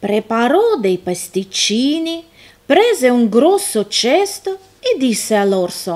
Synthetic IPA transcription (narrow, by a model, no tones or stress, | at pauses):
pɾepaɾɔd̪ejpast̪it͡ʃːiːni | pɾɛːzeuŋɡɾɔsːot͡ʃɛst̪o | ɛd̪isːealɔrso